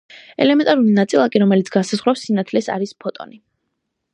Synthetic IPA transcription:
ɛ̰lɛmɛnt̪ʼaɾulinat̪sʼilˠakʼiɾɔmɛlit̪sʰɡ̥ansazʁɾɔsinat̪ʰlɛsa̰ɾispʰɔt̪ʼɔ̰ni

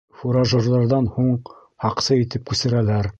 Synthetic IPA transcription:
fuɾɑʒŏrðˠɑɾðɑnhuɴ | hɑqsɤit̪ɘp̚kʉsɘ̆ɾælæɾ

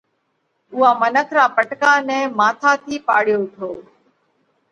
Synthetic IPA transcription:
ʊɦãːmənəkʰɾãːpəʈkãːnɛ̃ːmaːt̪ʰaːt̪ʰiːpaːɽɪjoːʊʈʰoː

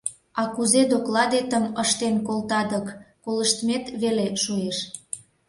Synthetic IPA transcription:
ɑkuzed̪oklɑd̪et̪əməʃt̪enkolt̪ɑd̪əkː | oləʃt̪met̪βeleʃueʃ

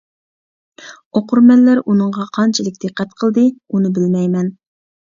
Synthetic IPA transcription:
oqʰʊɾmɛnːæɾunɨɴʁɑqʰɑnt͡ʃʰilɪkʲd̪̥ɨqʰːæt̪qʰəlˠd̪ɨunɨbɪlmɛjmɛn

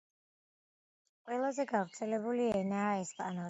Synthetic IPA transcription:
qʼwɛlˠazɛɡavɾt̪sʰɛlɛbuliɛnaːɛspʼanɔ

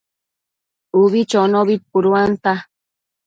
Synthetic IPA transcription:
uβit͡ʃonoβit̪̚puɾuant̪a

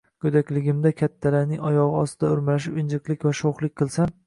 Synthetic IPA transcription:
kʲʰɵd̪akʲlɪɡʲɪmd̪akʲʰat̪ʰːalaɾnɪŋɒjɒʁɨɒst̪ɪd̪aʊɾmalaʃ̬ɪɪnd͡ʒɪqlˠɪkʲvaʃoχlˠɪkʲqʰɨlˠsan

